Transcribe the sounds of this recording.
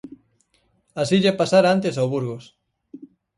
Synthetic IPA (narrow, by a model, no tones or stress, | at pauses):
asiʎepasaɾant̪esawβuɾɣos